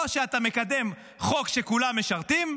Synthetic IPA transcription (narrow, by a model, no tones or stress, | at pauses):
ʃeat̪ame̞kad̪e̞m | χo̞kʃe̞kulamːeʃaʁt̪im